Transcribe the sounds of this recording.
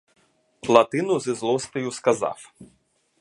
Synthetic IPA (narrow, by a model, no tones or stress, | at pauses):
plˠɐt̪ɪnʊzizlˠɔst̪ɔjʊskɐzɑ̰w